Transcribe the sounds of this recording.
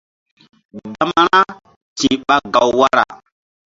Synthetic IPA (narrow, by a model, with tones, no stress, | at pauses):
dda˦ma˦ɾa˦ | ti˨ɓa˦ɡa˨wwa˦ɾa̰˨